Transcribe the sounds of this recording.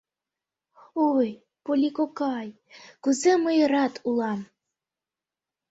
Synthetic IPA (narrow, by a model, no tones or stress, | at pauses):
oj | polʲikokɑj | kuzeməjəɾɑt̪ʰulɑm